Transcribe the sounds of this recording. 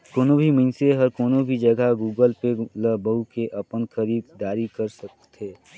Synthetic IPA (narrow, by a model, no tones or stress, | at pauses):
koːnobʱiməɪnseɦəɾkoːnobʱid͡ʒəɡʱaɡuːɡəlpeləbəukeʔɐpənxəɾiːd̪d̪aːɾikəɾsək̚t̪ʰeː